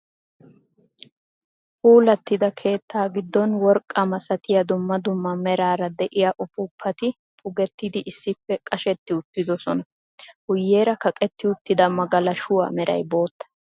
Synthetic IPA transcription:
huːlɐt̪ːɪd̪ɐkʰe̞ːt̪ːaːɡɪd̪ːɔnwɔɾkʼːɐmɐsɐt̪ɪjɐd̪ʊmːɐd̪ʊmːɐmɛɾaːɾɐd̪ɛʔɪjaʔʊpʊpʰːɐt̪ɪ | pʰʼʊɡɛt̪ːɪd̪ɪʔɪsːɪpːɛkʼɐʃɛt̪ːɪʊt̪ːɪd̪ɔsɔnɐ | hʊjːe̞ːɾɐkɐkʼɛt̪ːɪʊt̪ːɪd̪ɐmɐɡɐlɐʃʊwa̰ːmɛɾɐ̰jbo̞ːt̪ːɐ̥

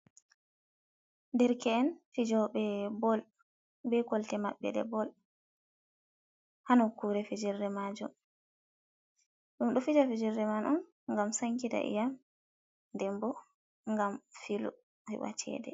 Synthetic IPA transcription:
ndɛɾkɛːnfid͡ʒɔɓɛbɔl | bɛkɔltɛmaɓːɛ̰ɗɛ̰bɔl | hanɔkuɾɛfid͡ʒiɾːɛmad͡ʒṵm | ɗumɗufid͡ʒafid͡ʒiɾːɛmanum | ŋɡamsaŋkita̰ʔḭjam | ndɛmbɔ | ŋɡamfilṵ | hḭwa̰t͡ʃɛ̰dɛ̰

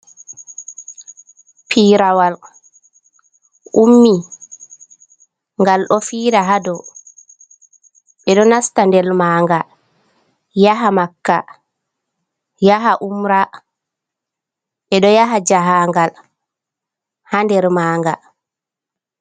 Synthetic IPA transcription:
pʰiːɾawal | ʔumːi | ŋɡalɗɔfiːɾaɦadɔ | ɓɛɗɔnastandɛlmaːŋɡa | jaɦamakːa | jaɦaʔumɾa | ɓɛɗɔjaɦad͡ʒaɦaŋɡal | handɛɾmaːŋɡa

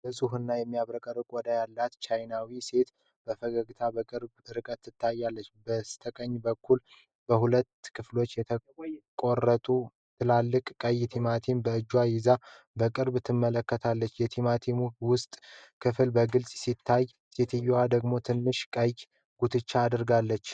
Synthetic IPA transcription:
bəsʼuɦɨnːajɛmːijaβɾəkʼəɾɨkʼɔd̪ajalːat̪t͡ʃajnawise̞t̪ | b̥əfəɡəɡɨt̪ʰabəkʼɨɾbɾɨkʼət̪ʰːɨt̪ʰːajːalːət͡ʃːbəst̪ʰəkʼəɲːbəkːul | bəhulət̪ːkʰɨflo̞t͡ʃːjɛt̪ʰəkʼo̞rːət̪ʼu | t̪ʰɨlalːɨkʼkʼəjt̪ʰimat̪ʰimbəɨd͡ʒːwajɪza | bəkʼɨɾbɨt̪ʰːɨmːələkːət̪ʰalːət͡ʃːjɛt̪ʰimat̪ʰimuwʊst̪ʼkʰɨfɨlbəɡɨlsʼsit̪ʰːaj | set̪ʰijwad̪əɡmo̞t̪ʰɨnːɨʃkʼəj | ɡ̥ut̪ʰɨt͡ʃːaːd̪ɨɾɡalːət͡ʃː

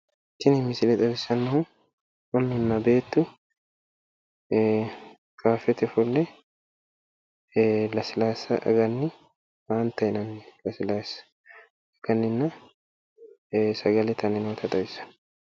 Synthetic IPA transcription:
t̪ːɪnɪmːɪsɪlɛt̪ʼɐbɪsɐnːɐhʊ | wɐnːʊnːɐbe̞ːt̪ːʊ | kaːfɛt̪ɛfɔlːɛ | lɐsɪlaːsɐʔɐ̰ɡɐnːɪ | waːnt̪ɐɪnɐnlɐsɪlaːsɐ̥ | ɐɡ̥ɐnːɪnːɐ | sɐɡɐlɛt̪ʰɐnɪnoːt̪ʰɐt̪ʼɐbɪsɐ̥n

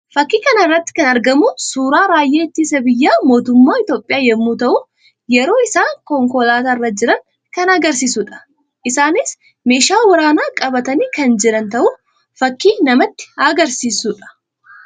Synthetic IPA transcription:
fɐkːiːkɐnɐɪrːɐt̪ːɪ̥kɐnɐɾɡɐmʊsuːɾaːɾaːjːeːɪt̪ːiːsɐbɪjːaːmo̞ːt̪ʊmːaːɪt̪jo̞ːpʼɪjaːjɛmːuːt̪ɐʔʊ | jɛɾo̞ːɪsaːkɔŋkɔlaːt̪aːɪrːɐd͡ʒɪɾɐŋ | kɐnɐɡɐɾsiːsuːᶑɐ̥ | ʔɪsaːnɪs | meːʃaːwɐɾaːnaːkʼɐbɐt̪ɐniːkɐnd͡ʒɪɾɐnt̪ɐʔʊ | fɐkːiːnɐmɐt̪ːɪ̥ɐɡɐɾsiːsuːᶑɐ̥

